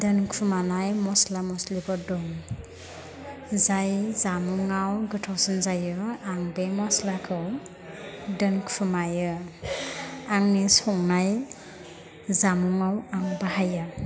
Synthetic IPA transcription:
dɯnkʰumanajmɔslamɔslibɔdɔŋ | zajzamuŋawɡɯtʰawsɯnzajɯaŋbemɔslakʰɯw | dɯnkʰumajɯ | aŋnisɔŋnaj | zamuŋawaŋbaɦajɯ

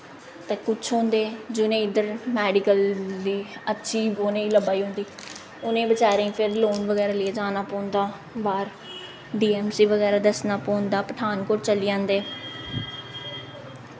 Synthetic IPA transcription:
t̪eːkʊt͡ʃʰɦõːnd̪eːd͡ʒʊnẽːɪd̪əɾmɛːɖɪkəld̪iːətːʃʰiːboːnẽːiːləbaːiːɦõːnd̪iː | ʊnẽːbət͡ʃaːɾeĩːpʰɪɾloːnʋəɡɛːɾaːlieːd͡ʒaːnaːpɔ̃ːnd̪aː | baːɾ | ɖiːɛːmsiːʋəɡɛːɾaːd̪əsnaːpɔ̃ːnd̪aːpəʈ̪ʰaːnkoːʈt͡ʃəliːãːnd̪eː

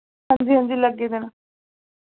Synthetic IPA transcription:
ə̃nd̪iːɦõnd̪iːləɡeːd̪ena

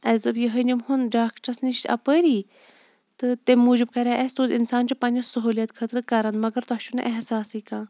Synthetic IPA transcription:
ɐlzɨbjəɦənʲimhunɖaːkʈɐɾsniʃʲɐ̰pəɾiː | t̪ɨt̪emːuːd͡ʒibkɐɾʲaːʔest̪oːd̪insaːnt͡ʃupɐnʲɐsɐɦuːljɐt̪kʰət̪ɾɨkɐɾɐnmɐɡɐɾt̪ɔɦʃʰunɨ̰ʔɛɦsaːsikãː

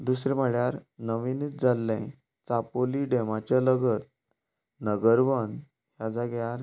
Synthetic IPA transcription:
d̪usɾɛ̃m̤əɭjaɾnəʋinit͡sd͡zalːɛ̃ | t͡sapoliɖemat͡ɕaləɡət̪̚ | nəɡəɾʋən | hjad͡zaɡɛjaɾ

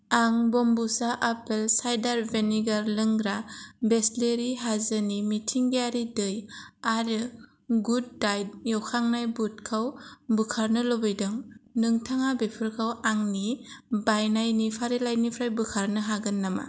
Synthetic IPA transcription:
aŋbɔmbusaʔapelsajdaɾbeniɡaɾlɯŋɡɾabesleɾiɦazɯnimitʰiŋɡeaɾidɯjaɾɯ | ɡud̚ːajd̚jawkʰaŋnajbut̚kʰawbɯkʰaɾnɯlobɯjdɯŋnɯŋtʰaŋabepʰɯɾkʰawaŋnibajnajnipʰaɾilajnipʰɾajbɯkʰaɾnɯɦaɡɯnːama̰

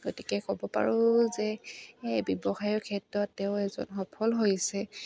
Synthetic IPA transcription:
ɡotikɛkɔbɔpa̰ɹʊzɛ | bjɔbɔxajɔkʰɛtɹɔtːɛʊɛzɔ̰nxɔpʰɔlɦojsɛ

